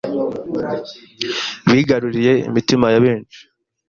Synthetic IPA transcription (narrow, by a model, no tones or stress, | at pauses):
βiːɡaɾuɾije̞ḭmitimajaβeːnt͡ʃi̥